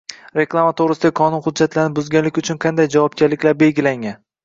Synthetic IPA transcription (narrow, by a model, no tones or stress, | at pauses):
ɾe̞klˠamat̪ʰoɾɪsɪd̪akʰɒnʊnχʊd̪d͡ʒːat̪ʰlaɾnɪbʊzɡʲanlɪkʲʊt͡ʃʰʊnqʰɑnd̪ajd͡ʒavɒb̚ɡʲaɾlɪkʲlaɾbe̞lɡʲɪlaŋʲan